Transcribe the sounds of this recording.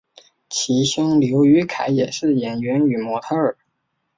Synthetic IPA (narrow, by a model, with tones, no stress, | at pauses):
t͡ɕʰi˧˥ɕjʊ˥ŋljo˧˥ʊy˧˥kʰa˧˩˦ɪjɛ˨˩ʂɻ̩˥˩jɛ˨˩nɥɛ˧˥ny˨˩mwɔ˧˥t̪ʰɤ˥ə˞˨˩˦